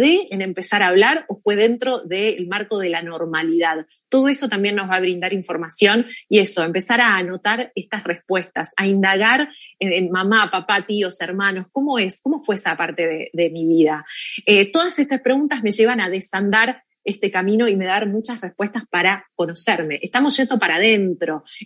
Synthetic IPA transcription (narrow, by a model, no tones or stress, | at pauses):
ðeene̞mpe̞saɾaːβlaɾofwe̞ð̞e̞nt̪ɾo̞ðe̞ːlmaɾko̞ð̞e̞lano̞ɾmaliðað | t̪o̞ð̞o̞e̞so̞t̪ambje̞nːozβaβɾind̪aɾiɱfo̞ɾmasjo̞nie̞so̞empe̞saɾaːno̞t̪aɾest̪asre̞spwe̞st̪asaind̪aɣaɾemamapapat̪io̞seɾmãno̞sko̞mo̞e̞sko̞mo̞fweesapaɾt̪e̞ðeðe̞miβiðaet̪o̞ðasest̪aspɾe̞ɣunt̪azme̞ʒe̞β̞anaðe̞sand̪aɾ | est̪ekamĩno̞ime̞ðaɾmut͡ʃasrespwe̞st̪aspaɾako̞no̞seɾme̞ʔest̪amosʒ̥et̪o̞paɾaðe̞nt̪ɾo̞